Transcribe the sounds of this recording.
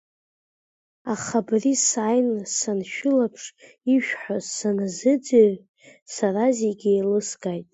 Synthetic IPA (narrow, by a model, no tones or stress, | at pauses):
aχabrisajnsanʃᶣʊlapʰʂ | iʃᶣħasanazɨd͡zeʕ | sarazeɡʲɪelɨsɡajtʼ